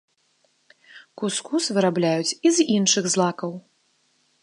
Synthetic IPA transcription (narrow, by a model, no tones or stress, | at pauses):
kuskusvɨɾablʲajut͡sʲizinʂɨɣzlˠakɐw